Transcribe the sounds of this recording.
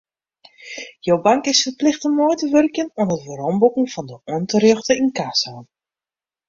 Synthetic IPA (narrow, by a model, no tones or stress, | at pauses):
jowbaŋkɪsfərplɪxtəmoːjtəʋørkjənɔmətʋəɾɔmbukŋ̩fɔndəɔəntərøxtəɪnkaːsan